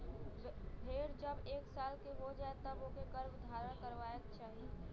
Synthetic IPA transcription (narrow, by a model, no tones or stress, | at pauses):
bʱeːɽd͡ʒəbeːksaːlkeɦod͡ʒaːet̪əbokekəɾbd̪ʱaːɾə̃kəɾʋaːjək̚t͡ʃaːɦie